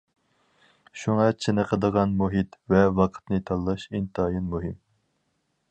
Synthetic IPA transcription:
ʃuŋɑt͡ʃʰɪnɨqʰəd̪əʁɑnmuɦit̪vɛwɑqʰə̥t̪nɨt̪ʰɑlˠːɑʃint̪ʰɑjinmuɦɪm

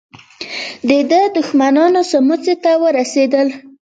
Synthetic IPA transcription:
d̪əd̪əd̪ʊxmanɑnosəmut͡set̪awəɾased̪əl

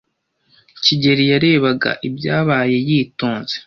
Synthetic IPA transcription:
ciɟe̞ɾijaɾe̞βaɡa̰ʔibjaːβaːje̞jiːtoːnze

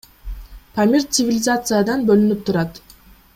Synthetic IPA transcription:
pʰamʲirt̪sɨvʲilʲɪzat̪sɨjad̪ɑnbølynyp̚t̪ʰuɾɑt̪

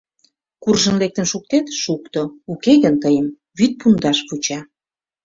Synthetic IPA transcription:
kurʒə̆nlek̚t̪ənʃuk̚t̪et̪ʃukt̪oukeɣənt̪əjəm | βyt̪̚pund̪ɑʃput͡ɕɑ

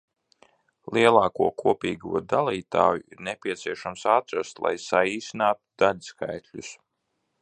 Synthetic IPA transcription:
lˠiɛlˠaːkuɔkʰuɔpiːɡuɔd̪alˠiːt̪a̰ːjuiɾnɛpʲiɛt̪siɛʃamsat̪ɾast̪lˠa̰jsaiːsinaːt̪ud̪aʎʲskajt̪ʲlʲus

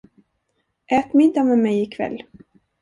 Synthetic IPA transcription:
ʔɛːt̪mɪnt̪amɛmɛjɪkʰvɛ̰lː

